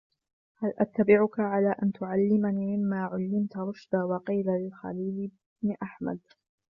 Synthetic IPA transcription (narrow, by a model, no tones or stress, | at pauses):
halʔat̪ːabɪʕʊkaʕalaːʔant̪ʊʕalːɪmaniːmɪmːaːʕʊlːɪmt̪ɾˤʊʃd̪aːwɑqiːlalɪlxa̰liːlɪ | bnɪʔaħma̰d̪̚